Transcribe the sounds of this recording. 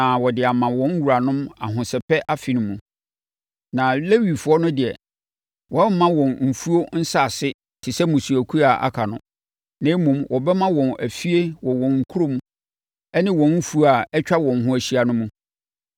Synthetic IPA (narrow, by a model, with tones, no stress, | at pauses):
ã˨wɔ˨dɪ˨a˨mã˨wɔ̃˦n˦wu˨ɾa˨nʊ̃˦ma̰˨ɦʊ̃˨sɛ˨pʰɛ˦ʔa˦fi˨nʊ̃˨˦mũ˨ | nã˨le˦ɥi˨fʊ˨˦ɔ˦nʊ̃˦dɪ˨ɛ̰˨ | wʔɔ̃˦m̩ː˦ã˦wɔ̃˨nm̩˨fu˦o˦n̩˦sa˦˨sɪ˦ | tʰɪ˨sɛ˦mũ˨su˨æ˨kʰu˦a˨ʔa̰˦kʰa˨nʊ̰̃˦ | nɪ̃˦mũ˨mwʔɔ˨bɛ˦mã˦wɔ̃˨næ˨fi˦e˦wɔ˨wɔ̃˨nŋ̩˨kʰu˦ɾo˦mũ˦ | ɛ˦nɪ̃˦wɔ̃˨m̩˦fu˦a˨ɛ˦t͡ɕᶣa˦wɔ̃˨n˨ɦʊ̃˦æ˨ɕi˦a˨nʊ̃˦mũ˦